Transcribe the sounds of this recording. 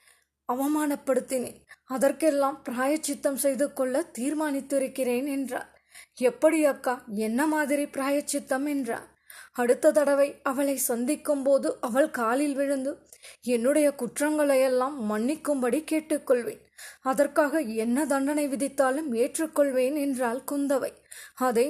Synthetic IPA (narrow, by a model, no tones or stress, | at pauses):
ɐʋɐmaːnɐpːɐɽɯt̪ːɪneːɐðɐrkɛlːaːmpɪɾaːjɐt͡ʃːɪt̪ːɐmsɛjðɯkːɔɭːɐt̪iːɾmaːnɪt̪ːɪɾɯkːɪreːnɛndra̰ːl | ɛpːɐɽijɐkːaːɛnːɐmaːðɪɾipɪɾaːjɐt͡ʃːɪt̪ːɐmɛndra̰ːl | ɐɽɯt̪ːɐt̪ɐɽɐʋɐɪɐʋɐɭɐɪsɐnd̪ɪkːɯmpoːðɯʔɐʋɐɭkaːlɪlʋɪɻɯnd̪ɯ | ɛnːɯɽɐjɐkʊʈrɐŋɡɐɭɐjɛlːaːmːɐɳːɪkːɯmbɐɽikeːʈːɯkːɔɭʋḛːnɐðɐrkaːɣɐɛnːɐd̪ɐɳɖɐnɐɪʋɪðɪt̪ːaːlɯmeːʈrɯkːɔɭʋeːnɛndraːlkʊnd̪ɐʋɐɪɐðɐ